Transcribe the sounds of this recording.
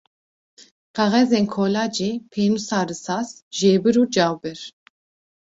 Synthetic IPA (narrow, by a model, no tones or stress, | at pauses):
qɛʁɛzeːnkʰoːlaːd͡ʒeːpʰeːnusaːɾɨsaːsʒeːbɨɾuːd͡ʒaːwbɛɾ